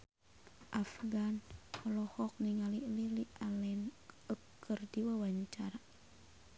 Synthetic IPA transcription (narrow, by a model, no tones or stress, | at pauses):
ʔafɡanɔlɔhɔk̚niŋalililialɛnəkːərdiwawaɲt͡ʃaɾa